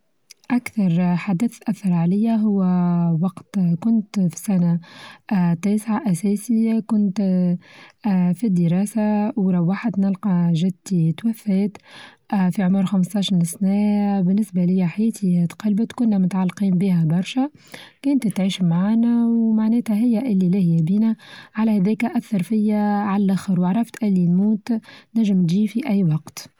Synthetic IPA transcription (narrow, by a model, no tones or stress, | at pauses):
ʔakθɑɾˤħad̪əθʔæθːɑɾˤʕalɪjːæɦʊwːwɑqt̪kʊnt̪fi̥sæna | t̪ːeːsʕaʔæsɛːsikʊnt̪ | fid̪ːəɾˤɑːsawɾˤɑwːaːħad̪nɪlqɑʒɪd̪t̪it̪wæfːɛːt̪ | fiʕʊmʊɾxamst̪ˤɑːʃɑɾsnæːbɪnːɪsbalɪjːæħajɛːt̪ʰiht̪qɑlbət̪kʊnːæmʊt̪ʕalːqiːmbiːhæbɑɾˤʃæ | kæːnt̪t̪ʕiːʃmʕaːnæwmaʕnɛːt̪hæɦɪjːæʔɪlːilɪhɪjːæbiːnæʕalæhæd̪ɛːkæʔækθɑɾˤfɪjːæʕalælʔæxɑɾwɑʕɾˤɑft̪ʔɪlːinmuːt̪næʒɪmt̪ʒiːfiʔæjːwɑqt̪